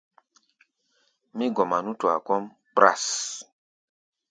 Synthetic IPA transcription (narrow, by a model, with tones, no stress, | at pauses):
mĩ˦ɡɔ˨ma˨nu˦tu˨a̰˨kɔ˦m | k͡pɾa̰˦˨s